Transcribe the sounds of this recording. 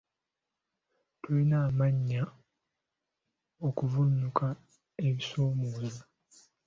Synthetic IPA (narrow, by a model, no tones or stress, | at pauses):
tulinaːmaɲːa | o̞kuvunːukʰa | e̞βisoːmoːza